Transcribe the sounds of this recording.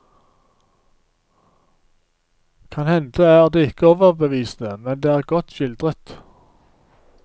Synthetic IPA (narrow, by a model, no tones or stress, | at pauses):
kʰɑnhɛnd̪əæːʁd̪eːɪkəoːʋəʁbəʋiːsn̩əmɛnd̪eːæːʁɡɔt̪ʃɪld̪ʁət̪